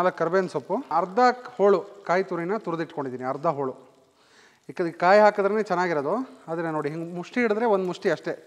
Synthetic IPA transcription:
nɐːlɐkːɐɾbeɐnsopːuɐɾd̪ahoːɭukaːjt̪uɾinːɐt̪uɾɐd̪iʈko̞ɳɖid̪iːniɐɾd̪ʱaɦoːɭu | ik̪kaːjɦaːkɐd̪ɐɾeneːt͡ʃɛnːaːɡiɾɐd̪uaːd̪ɐeno̞ːɽiɦiŋɡmuʂʈiiɽɨd̪ɾeʋond̪umuʂʈiɐʂʈe̞

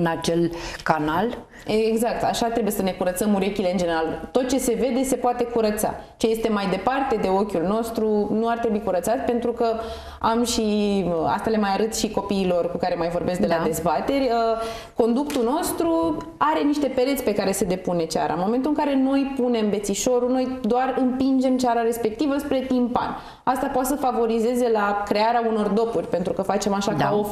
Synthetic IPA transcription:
ɨnat͡ʃe̞lkanal | eeɡzak̚t̪a̰ʃat̪ɾebujesəne̞kuɾət̪səmuɾe̞kʲile̞ɨnd͡ʒene̞ɾalt̪o̞t̪̚t͡ʃe̞se̞ve̞d̪e̞se̞poat̪e̞kuɾət̪sa̰ | t͡ʃe̞je̞st̪e̞majd̪e̞part̪e̞d̪e̞o̞kʲulno̞st̪ɾunuart̪ɾebuikuɾət̪sat̪ʲpe̞nt̪ɾukə | amʃia̰st̪ale̞majaɾɨt̪ʃiko̞piːlo̞rkukaɾe̞majvo̞rbesk̚ɡd̪elad̪e̞zbat̪e̞rʲə | ko̞nd̪uk̚t̪uno̞st̪ɾu | aɾe̞niʃt̪e̞pe̞ɾet̪sʲpe̞kaɾe̞se̞d̪e̞pune̞t͡ʃa̰ɾa̰nmo̞me̞nt̪ulɨŋkaɾe̞no̞jpune̞mve̞t̪siʃo̞ɾuno̞jd̪oarɨmpind͡ʒe̞mt͡ʃaɾaɾe̞spe̞k̚t̪ivəspɾe̞t̪impa̰nʲ | ast̪apoat̪səfavo̞ɾize̞ze̞lakɾe̞aɾeauno̞rd̪o̞purʲpe̞nt̪ɾukəfat͡ʃe̞maʃakao

